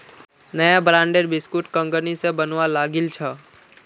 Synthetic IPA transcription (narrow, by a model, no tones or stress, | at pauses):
nəjabɾãːɳɖeɾbɪskuʈkə̃ŋɡənisẽbənʋalaːɡɪlt͡ʃʰə